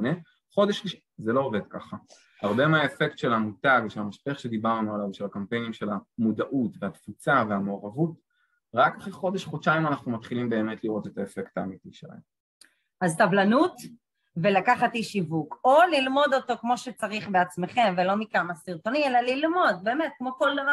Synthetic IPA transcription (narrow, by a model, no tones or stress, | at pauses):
ne | χo̞deʃ | zelo̞oved̪̚ka̰χa | haʁbe̞meaefektʃe̞lamutaɡveʃelamaʃpeaχʃe̞d̪ibaʁnualavʃe̞lakampe̞jnimʃe̞lamudaʔutveatfut͡save̞ameoʁavut | ʁakaχiχo̞deʃχot͡ʃaimanaχnumat̪χilimbe̞ːmet̪liʁo̞tet̪ae̞fektaːmitiʃela̰hḛm | azt̪avlanut | velakaχatjiʃivukolilmo̞d̪o̞to̞kmo̞ʃet͡saʁiχbeat͡sme̞χe̞mve̞lo̞mikamasiʁt̪o̞nielalilmo̞d̪̚be̞ːmet̪̚kmo̞ko̞ld̪ava